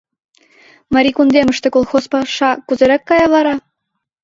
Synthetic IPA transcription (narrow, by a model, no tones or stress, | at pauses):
mɑɾʲikund̪emə̆ʃt̪ĕkolˠxospɑʃɑkuzeɾekːɑjɑβɑɾɑ